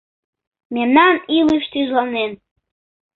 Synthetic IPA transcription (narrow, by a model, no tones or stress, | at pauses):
memnanilɨʃtʰiʒlanen